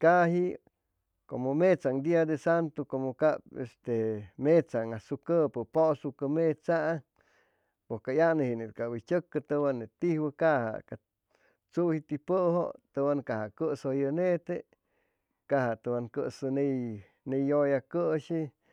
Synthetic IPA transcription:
kaɦi | komomet͡saŋd̪iad̪esant̪okomokapest̪emet͡saŋasukəpəposukəmet͡saʔa | pokajanəhinet̪̚kabit͡ʃʲəkːət̪əwanet̪ihbəkaha̰ka | t͡suhit̪ipəʔho̰t̪əwankahakəsojənet̪e | kaɦat̪ɨwankə̰sɨne | nejojakəʃi

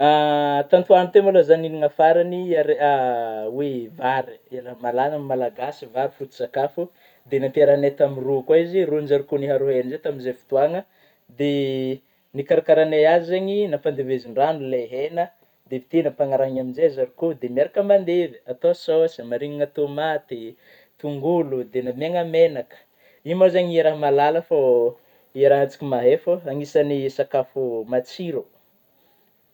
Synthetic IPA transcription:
at̪ant̪uanit̪emolazaniniŋafaɾaniaɾeawevaɾilamalanamalaɡasivaɾifut̪u̥z̥akafu | d̪enap̪eɾanet̪amirukaizirunzaɾukuniɦaɾoɦenizet̪aminzefu̥t̪uaŋə | d̪e | nikaɾakaɾaneazizaɲinafand̪eveziɳɖ͡ʐanuleɦenə | d̪evi̥t̪inəpaŋaɾaɲaminzeazaɾikud̪emiaɾakəmand̪eviat̪ososimaɾiŋaŋat̪omat̪i | t̪uŋɡulud̪enameŋəmenakə̥ | imozaɲeɾaɦmalaləfo | eɾaɦat͡si̥kʲimaɦefəaŋisanisakafumat͡siɾo

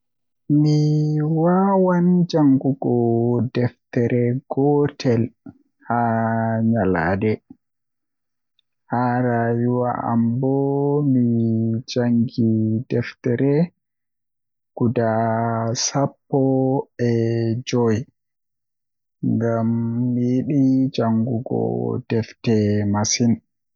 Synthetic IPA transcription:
miwawand͡ʒaŋɡuɡɔdɛftɛɾɛɡɔtʰɛl | haɲala̰ːdɛ | haːɾajuwaa̰mbɔmid͡ʒaŋɡidɛftɛɾɛ | ɡ̥udasapːɔɛd͡ʒɔj | ŋɡamːijɗid͡ʒaŋɡuɡɔ̰d̥ɛftɛmasin

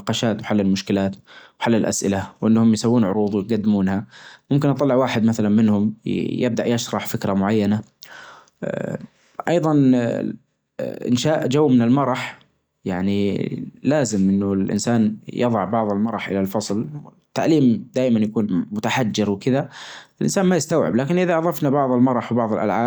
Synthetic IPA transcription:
ɑqɑːʃaːt̪wħalːɪlmʊʃkɪlaːt̪wħalːɪlʔa̰sʔɪlawʔɪnːhʊmjsawːuːnʕʊɾuːðˤwɪjt̪ɡad̪ːɪmuːnhamʊmkɪnʔɑt̪ˤɑlːɪʕwaːħɪd̪maθalanmɪnhʊmjɪb̚d̪aʔjaʃɾˤɑħfɪkɾamʊʕajːana | ʔɑjðˤɑn | ʔɪ̰nʃaːʔd͡ʒawːmɪnɪlmɑɾˤɑħ | jaʕnilaːzɪmʔɪnːʊlʔɪ̰nsaːnjɑðˤɑʕbɑʕðˤɪlmɑɾˤɑħʔɪ̰lalfɑsˤlt̪ːaʕliːmd̪aːjmanjakuːnmʊt̪aħad͡ʒːɪɾwɪkɪðaɪlʔɪ̰nsaːnmajɪst̪awʕɪ̰blaːkɪnʔɪðaʔɑðˤɑfnabɑʕðˤɪlmɑɾˤɑħwbɑʕðˤɨlʔa̰lʕaː

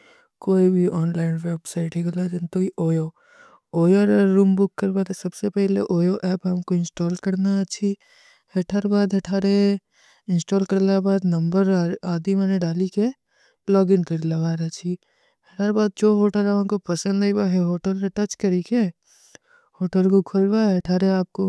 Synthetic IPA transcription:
koːibʱiʔɔːnlaːɪnʋeːbsaːɪʈɦeɡɐlad͡ʒɐnt̪oiʔoːjo | oːjoɾɾuːmbʊkːɐɾbaːt̪esɐbsepɛɦleʔoːjoʔɛːpɦɐmkoɪ̃nsʈɔːlkɐɾnat͡ʃʰi | hɐʈʰaːɾbaːd̪ɦɐʈʰaːɾe | ɪ̃nsʈɔːlkɐɾlabaːd̪nɐ̃mbəɾaːd̪imɛ̃ːneɖaːlike | lɔːɡɪnkəɾlabaːɾɐt͡ʃʰi | hɐʈʰaːɾbaːd̪̚d͡ʒoːɦoːʈəlaãnkopɐsə̃nd̪lɐibaɦeɦoːʈəlɾeʈɐt͡ʃkɐɾike | hoːʈəlkokʰolbaɦɐʈʰaːɾeaːp̚ko

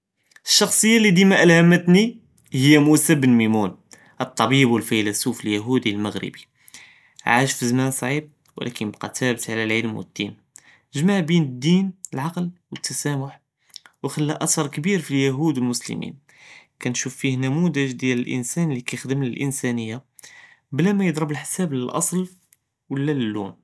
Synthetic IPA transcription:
əʃːɑxsˤəjːalːid̪imæʔælhæmːət̪ni | həjːæmusəbənmimun | ʔət̪ˤːɑbibwəlfæjlæsufəljæɦud̪ilməɣɾə̰bi | ʕaʃfəzmænsˤʕib̚ | wə̰lʔæ̰kənbqɑ̰t̪æbət̪ʕlælʕəlmwəd̪̥ːḭn | nʒmaʕbinəd̪ːinəlʕɑqlwət̪ːæsæmʊħ | wxælːæʔæt̪ɑɾˤkbiɾfiljæɦud̪əlmʊslə̰mḭn | kænʃufːihnæmud̪əʒd̪jæləlʔə̰nsænlikæjxd̪əmləlʔənsænəjːa | blæmæjəd̪ˤɾˤəbəlħsæbləlʔɑ̰sˤl | wəlːæləlːṵn

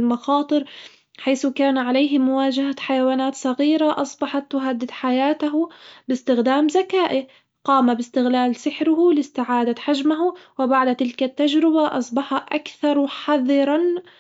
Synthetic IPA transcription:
lmɑxɑːt̪ˤɨɾ | ħajθʊkaːnʕalajɦɪmʊwaːd͡ʒahaħajawaːnaːt̪sˤɑɣiːɾaʔɑsˤbɑħɑt̪ːʊɦad̪ːɪd̪ħajaːt̪aɦbɪst̪ɪxd̪aːmzakaːʔɪ | qɑːmabɪst̪ɪɣlaːlsɪħɾʊhʊlɪst̪ɪʕaːd̪aħad͡ʒmaɦʊwɪbaʕd̪t̪ɪlkat̪ːad͡ʒɾɪbaʔɑsˤbɑħɑʔakθɑɾˤħɑðˤɨɾˤɑn

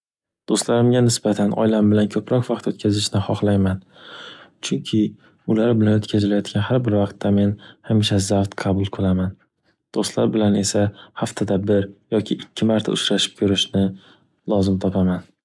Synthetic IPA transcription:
d̪̥ost̪laɾɪmɡʲanɪsbat̪ʰanɒ̰jlambɪlankʰɵpɾɒkvɑqt̪ot̪̚kʲʰazɪʃnɪχɒχlˠajman | t͡ʃʰʊŋkʲʰɪ | ʊlaɾbɪlanɵt̪kʰʲazɪlajɒt̪ɡʲanɦaɾbɪɾvɑqt̪ʰːame̞nhamɪʃ̬azawt̪qʰɑbʊlˠqʰɨlˠaman | d̪̥ost̪la̰ɾbɪlane̞sahaft̪ʰad̪abɪɾjɒkʲʰɪʔɪkʲʰːɪmaɾt̪ʰa̰ʊt͡ʃɾaʃɪ̥p̚kʲʰɵɾɪʃnɪ | lˠɒzɪmt̪ʰɒpʰaman

